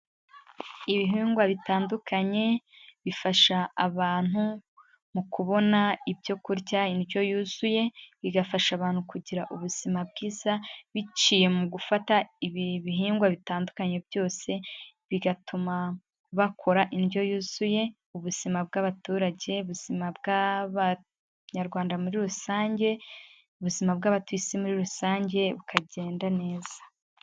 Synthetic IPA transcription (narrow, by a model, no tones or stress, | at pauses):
iβiɦiːŋɡwaβitaːndukʰaɲe̞βifaʃaːβaːn̥hu | mukʰuβo̞naibjo̞kuɾɟainjo̞juːzuje̞βiɡafaʃaβaːn̥hukuɟiɾaʔuβuz̥imab̚ɡiːz̥aβit͡ʃiːje̞muɡufataiββiɦiːŋɡwaβitaːndukaɲe̞bjo̞ːse̞ | βiɡatʰuma | βakʰo̞ɾaʔinjo̞juːz̥uje̞ | uβuz̥imab̚ɡaːβatuːɾaɟe̞uβuz̥imabɡaβa | ɲaɾɡwaːndamuɾiɾusaːɲɟe̞ | uβuzimab̚ɡaːβatwisimuɾiɾusaːɲɟe̞βukʰaɟe̞ːndane̞ːz̥ḁ